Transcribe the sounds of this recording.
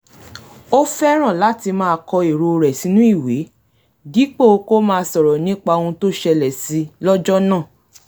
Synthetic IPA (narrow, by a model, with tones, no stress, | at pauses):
o˦fɛ˦ɾ̃ã˦˨la˨˦ti˧mãː˦˧kɔ˧e˨ɾo˧ɾɛ˨si˨˦nũ˦i˦˨we˨˦ | di˨˦k͡po˦˨o˧ko˦mãː˦˧sɔ˨ɾɔ˨nĩ˦k͡pa˧õ˧ũ˧to˦ʃɛ˧lɛ˨si˨˧lɔ˦d͡ʒɔ˦nãː˦˨